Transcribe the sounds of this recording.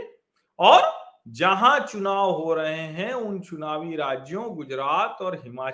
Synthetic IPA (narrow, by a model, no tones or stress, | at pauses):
ɔːɾd͡ʒɐɦãt͡ʃʊnaːʋɦoɾɐɦeɦɛ̃ʊnt͡ʃʊnaːʋiɾaːd͡ʒjõɡʊd͡ʒɾaːt̪ɔːɾɦɪmaː